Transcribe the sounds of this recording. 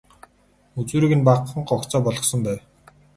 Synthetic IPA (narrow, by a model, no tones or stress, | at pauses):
ut͡suːɾiːɣɘ̆npaqχə̆ɴɢɔkt͡sɔːpɔɮɞ̆χsɞ̆mpæːw